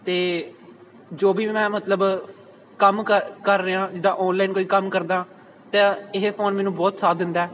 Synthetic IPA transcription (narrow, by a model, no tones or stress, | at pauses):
t̪eː | d͡ʒoːbiːmɛ̃ːmət̪ləb | kəmkəkəɾːeãːd͡ʒɪd̪ãːʔɔːnlaːiːnkoːiːkəmkəɾd̪ãː | t̪ẽːɪɦepʰoːnmɛːnũːbɔːt̪saːd̪ɪnd̪aɛː